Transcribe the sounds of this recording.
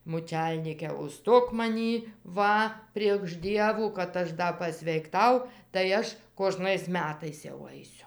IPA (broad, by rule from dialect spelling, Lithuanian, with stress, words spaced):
muːˈt͡ʃʲɛlʲnʲiːkʲɛ ʊˈʃstoːk mɐˈnʲiː ˈʋɐ pʲrʲiɛkʃ ˈdʲiɛʋuː kɐt ˈɐʃ ˈdɐ pɐsʲʋʲɛɪkˈtɐʊ tɐɪ ˈɐʃ koːˈʒnɐɪs ˈmʲæːtɐɪs jɛʊ ˈɐɪsʲʊ